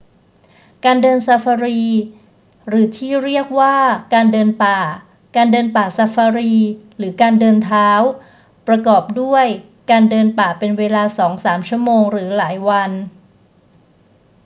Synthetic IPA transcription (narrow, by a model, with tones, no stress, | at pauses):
kaː˧ndɤː˧nsa˧fa˧ɾiː˧ | ɾɯː˩˦t̪ʰiː˥˩ɾi˥˩ək̚waː˥˩kaː˧ndɤː˧npaː˨˩ | kaː˧ndɤː˧npaː˨˩sa˧fa˧ɾiː˧ɾɯː˩˦kaː˧ndɤː˧nt̪ʰaː˦˥w | pɾa˧kɔː˨˩p̚du˥˩əj | kaː˧ndɤː˧npaː˨˩pe˧nweː˧laː˧sɔː˩˦ŋsaː˩˦mt͡ɕʰu˥˩əmoː˧ŋɾɯː˩˦laː˩˦jwa˧n